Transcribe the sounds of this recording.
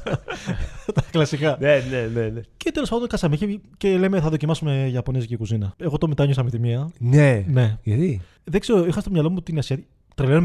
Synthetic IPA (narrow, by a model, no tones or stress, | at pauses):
t̪ɐklɐsikɐnenenenece̞t̪e̞lospɐnd̪oŋkɐsɐmiçece̞le̞me̞θɐðo̞cimɐsume̞ʝɐpo̞nizicekuzinɐe̞ɣo̞t̪o̞mit̪ɐɲosɐmit̪imiɐnene̞ʝɐti | ðekseɾoixɐst̪o̞mɲɐlo̞mut̪iniɐsiɐi | t̪ɾelenm